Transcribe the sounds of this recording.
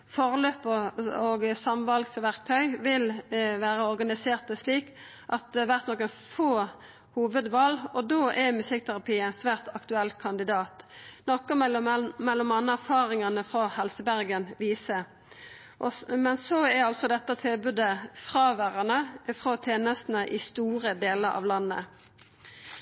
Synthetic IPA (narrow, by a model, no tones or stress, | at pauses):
fɔʁløːpəoɡsɑmʋɑlɡsʋæʁkt̪ʰœʏʋɪlʋæːɾəɔɾɡɑnɪseːʁt̪əsliːk | ʔɑt̪̚d̪ɛʋæʁt̪nɔkːənfoː | huːʋəd̪ʋɑːlɔd̪oːʔɛmʉsɪk̚ːt̪ʰæʁɑpʰiːɛnsʋæːʁt̪ɑkt̪ʉɛlːkʰɑnd̪ɪd̪ɑːt̪nɔkːəmɛlːɔmɑnːəæʁfɑːʁɪŋənəfʁɑhɛlsəbæʁɡənʋiːsə | ʔɔmɛnsɔæɾɑlt̪sɔd̪ɛt̪ːət̪ʰɪlbʉd̪əfʁɑːʋæʁɑnəfʁoːt̪ʰeːnəst̪n̩əʔɪst̪uːʁəd̪eːləʁɑ̰ːʋlɑnːə̰